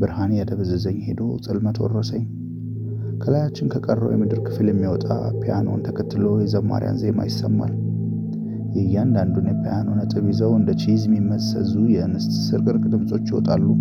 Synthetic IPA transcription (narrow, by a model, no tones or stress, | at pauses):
bɨɾhanejad̪ʰəβɨzɨzəɲːhe̞d̪o̞t͡sʼɨlmət̪ʰwɔ̰rːəsəɲː | kʰəlajat͡ʃːɪnkʰəkʼərːə̰wjɛmɨd̪ɨɾkʰɨfɨljɛmːiwɔt̪ʼa̰pʰijano̞̰nt̪ʰəkʰət̪ːɨlojɛzəβmːa̰ɾja̰nzema̰jɪsːəmːa̰l | jɛjːand̪and̪unjɛpʰijano̞nət̪ʼɨβizəwɨnd̪ət͡ʃʰizɛmimːəsə̰zujɛnɨst̪sɨɾkʼɨɾkʼd̪ɨmsʼo̞t͡ʃːjɪwɔt̪ʼalːu